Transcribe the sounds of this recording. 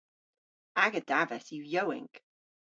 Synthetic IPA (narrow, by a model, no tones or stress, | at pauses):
aɡədavɛsjujowɪ̰̃ŋk